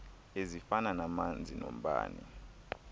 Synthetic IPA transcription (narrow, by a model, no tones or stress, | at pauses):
ezifananamand͡zʱino̰m̩ɓa̰ːnḭ